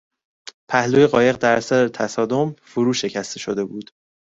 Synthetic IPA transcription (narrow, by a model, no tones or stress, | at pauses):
pʰæhluːje̞ɣɒːje̞ɣd̪æɾæsæɾet̪ʰæsɒːd̪o̞mfoɾuːʃe̞cʰæst̪e̞ʃo̞d̪e̞buːd̪̥